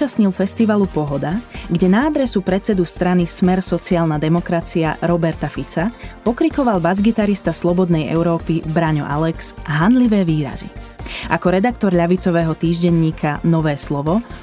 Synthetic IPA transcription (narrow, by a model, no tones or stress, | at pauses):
ast̪ɲilfɛst̪iʋalupɔɦɔd̪aɡɟɛnaːd̪ɾɛsupɾɛt͡sɛd̪ust̪ɾanismɛɾsɔt͡siaːlnad̪ɛmɔkɾat͡sia̰ɾɔbɛɾt̪afit͡sapɔkɾikɔʋalbazɡit̪aɾist̪aslɔbɔd̪nɛjɛ̰ʊɾɔːpibɾaɲɔ̰ʔa̰lɛksɦanliʋɛːʋiːɾa̰zḭʔakɔɾɛd̪akt̪ɔɾʎaʋit͡sɔʋɛːɦɔt̪iːʒɟɛɲːiːkʰanɔʋɛːslɔʋɔ